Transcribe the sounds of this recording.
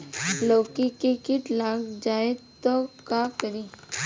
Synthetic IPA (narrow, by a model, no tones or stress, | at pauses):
loːkikikit̪laːɡd͡ʒaːet̪okaːkɐɾiː